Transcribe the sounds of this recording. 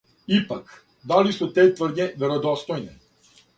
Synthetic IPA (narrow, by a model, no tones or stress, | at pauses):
ipak | d̪alisut̪ɛt̪vr̩d̪ɲɛvɛɾɔd̪ɔst̪ɔjnɛ